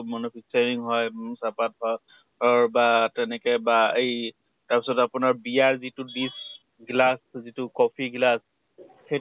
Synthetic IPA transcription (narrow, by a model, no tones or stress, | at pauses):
monupʰisaɹiŋɦɔjsapat̚hɔj | ɔɹbatɛnɛkɛbaej | taɹpisɔtapʊnaɹbijaɹzitʊdis | ɡlaszitʊkɔpʰiɡlas | xe